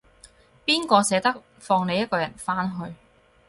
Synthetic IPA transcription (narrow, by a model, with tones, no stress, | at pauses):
piː˥nkɔː˧sɛː˨˥t̪ɐ˥k̚ | fɔː˧ŋne˨˧jɐ˥t̚kɔː˧jɐ˨˩nfaː˥nɦɵ˧ɥ